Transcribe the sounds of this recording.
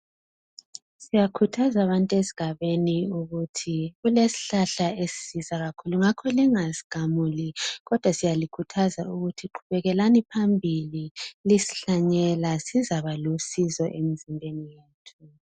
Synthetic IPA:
sijakʰutʰazaːβantʼesi̥ɣʱaβeniuɣutʰiɣulesi̥ɬaɬaesi̥sizaɣakʰuluŋakʰɔliŋasi̥ɡ̥ʱamuliɣɔd̥ʱwasijalikʰutʰazauɣutʰiǃʰuβɛɣɛlanipʰambʱililisi̥ɬaɲɛlasizaβalusizɔ̰ʔem̩zimbʱenijeːtʰu

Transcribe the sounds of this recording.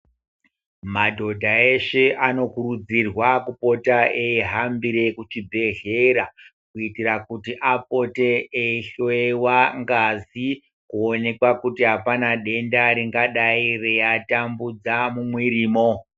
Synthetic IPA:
madʱo̞dʱae̞ʃe̞ʔano̞kuɾud͡zirwakupo̞taʔeiɦambiɾe̞kut͡ʃibʱe̞ɮe̞ɾakuitirakutiʔapo̞teeiɬoewaŋɡazi | kuone̞kwakutiɦapanaɗe̞ndaɾiŋɡaɗairejatambud͡zamumwiɾiːmo̞

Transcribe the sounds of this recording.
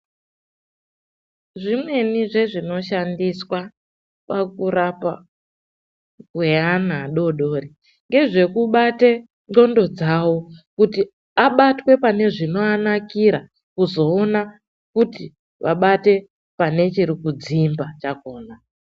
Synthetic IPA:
ʐimwe̞niʐe̞ʐino̞ʃandiswa | pakuɾapa | kueanaɗo̞ɗo̞ːri | ŋɡe̞ʐe̞kuɓate | no̞ndo̞d͡zawo̞kuti | aɓatwe̞pane̞ʐino̞anakiɾa | kuzo̞ːna | kuti | ʋʔaɓate̞ | pane̞t͡ʃiɾikud͡zimbat͡ʃako̞ːna

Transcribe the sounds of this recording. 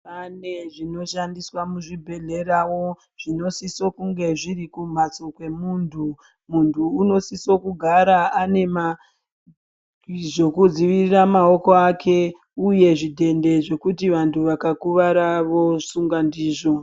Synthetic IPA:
pane̞ʐino̞ʃandiswamuʐibʱe̞ɮe̞ɾawo̞ | ʐ̥ino̞siso̞kuŋɡe̞ʐirikum̤at͡so̞kwe̞muːntʰu | muntʰuːno̞siso̞kuɡʱaɾaane̞ma | ʐo̞kud͡ziʋiriramao̞ko̞akʰe̞ | uje̞ʐidʱe̞nde̞ʐo̞kutiʋantʰuʋakakuʋaɾaʋo̞suŋɡandiːʐo̞

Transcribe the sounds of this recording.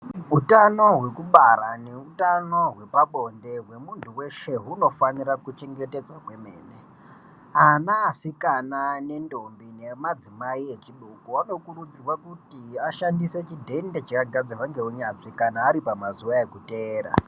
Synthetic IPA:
ɦutano̞ɦwe̞kuɓaɾane̞utano̞ɦwe̞paɓo̞nde̞ɦwe̞muntʰuwe̞ʃe̞ɦuno̞faniɾakut͡ʃe̞ŋɡe̞ted͡zwakwe̞me̞̰ːne̞ | anaːsikanane̞ndo̞mbine̞mad͡zimaiet͡ʃiɗokuano̞kuɾud͡zirwakutiaʃandise̞t͡ʃidʱe̞nde̞t͡ʃakaɡʱad͡zaʋaŋɡe̞ɦuɲaʐikanaːɾipamazuʋae̞kute̞ːra̰

